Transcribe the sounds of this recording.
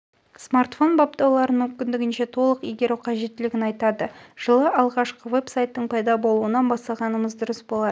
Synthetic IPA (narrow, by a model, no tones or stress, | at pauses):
smart̪fo̞nbopt̪ɑwlˠɑɾənmɵmkʲɪnd̪ɪɡʲɪnʃe̞t̪ʰo̞lˠəqiɡʲeɾɪqʰɑʒe̞t̪ːɪlɪɡʲɪnɑjt̪ɑd̪əʒ̥əlˠəʔɑlˠʁɑʃqəve̞psajt̪ːəɴpʰɑjd̪ɑbo̞lˠuənɑnbɑsɑʁɑnəməzd̪ʊɾəsbo̞lˠɑd̪ə